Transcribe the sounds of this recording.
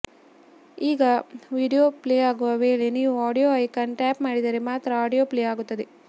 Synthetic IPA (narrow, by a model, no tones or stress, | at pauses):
iːɡɐʋiːɖijoːpleːaːɡuʋɐʋeːɭeniːʋuaːɽijoːɐjkɐnʈaːpmaːɽid̪ɐɾemaːt̪ɾɐaːɽijoːpleːaːɡut̪ːɐd̪e